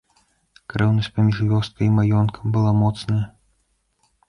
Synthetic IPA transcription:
kɾɛwnɐsʲtʲpɐmʲiʂvʲɔst̪̚kʰɐimajɔnkʰɐ̥mbɨlˠamɔt̪snɐjɐ

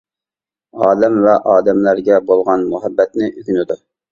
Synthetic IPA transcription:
ɑːd̪ɛmvɛʔɑːd̪ɛmlæɾɡʲɛbolˠʁɑnmuɦɛbːɛt̪nɪʔyɡʲynɪd̪u

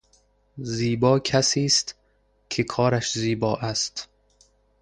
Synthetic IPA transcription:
ziːbɒːkʰæsiːst̪ | kʰekʰɒːɾæʃziːbɒːʔæst̪

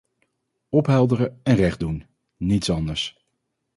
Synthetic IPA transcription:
ɔpɦɛlˠdərəɛnrɛχdun | nitsɑndəɹs

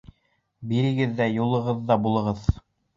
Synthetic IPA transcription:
biɾɘ̆ɡɘðːæjulˠɤ̆ʁɤðːɑbulˠɤ̆ʁɤð

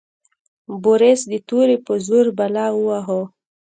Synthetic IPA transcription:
boɾesd̪ət̪uɾepəzuɾbalɑuwaɦo

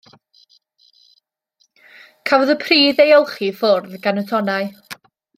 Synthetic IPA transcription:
kʰavɔðəpʰriːðejɔlˠχifʊrðɡanətʰɔnaɨ

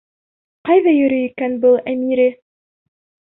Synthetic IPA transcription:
qɑjðɑjɵ̆ɾɵjikænbɤlˠæmiɾɘ

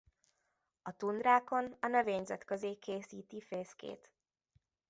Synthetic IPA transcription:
ɒt̪und̪raːko̞nɒnø̞veːɲzɛt̪køzeːkeːsiːt̪ifeːskḛːt̪

